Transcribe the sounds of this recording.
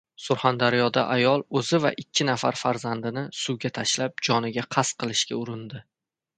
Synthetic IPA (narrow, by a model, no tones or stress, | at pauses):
sʊɾχand̪aɾjɒd̪aʔajɒlˠɵzɪva̰ʔɪkʲʰːɪnafaɾfaɾzand̪ɪnɪsuwɡʲat̪ʰaʃlap̚d͡ʒɒnɪɡʲaqʰɑsqʰɨlˠɪʃkʲa̰ʊɾɪnd̪ɪ